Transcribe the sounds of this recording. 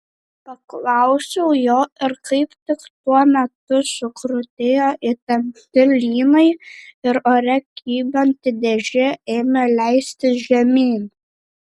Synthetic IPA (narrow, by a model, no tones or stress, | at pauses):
pɐklˠɐʊsʲɛʊjoːɪɾkɐɪpt̪ʲɪkt̪uɔmʲɛt̪ʊsʊkɾʊt̪ʲeːjoːʔɪt̪ʲɐmʲt̪ʲɪlʲiːnɐɪɪɾoːɾʲɛkʲʰiːbʲont̪ʲɪd̪ʲɛʒʲɪeːmʲelʲæɪsʲt̪ʲɪʒʲɛmʲiːn